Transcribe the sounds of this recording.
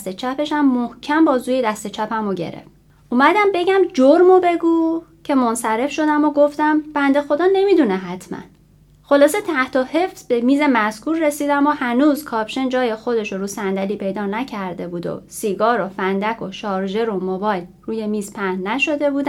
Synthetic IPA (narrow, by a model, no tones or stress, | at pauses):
st̪et͡ʃʰæpʰe̞ʃæmːohcʰæmbɒːzuːjed̪æst̪e̞t͡ʃʰæpʰæmoɟe̞̰ɾḛf | ʔumæd̪æmbe̞ɟæmd͡ʒoɾmobe̞ɡuːcʰe̞monsæɾe̞fʃo̞d̪æmoɡo̞ft̪æmb̥ænd̪e̞xo̞d̪ɒːne̞mid̪uneɦæt̪ʰmæ̰n | xo̞lɒːse̞t̪ʰæht̪ʰohe̞fsbe̞miːze̞mæskuːɾːesiːd̪æmohænuːzkʰɒːpʃend͡ʒɒːjexo̞d̪e̞ʃoɾuːsænd̪æliːpʰe̞jd̪ɒːnæcʰæɾd̪e̞buːd̪o̰siːɡɒːɾo̞fænd̪ækʰo̞ʃɒːɾʒe̞ɾo̞mobɒːjlruːje̞miːzpʰænnæʃo̞d̪e̞buːd̪æ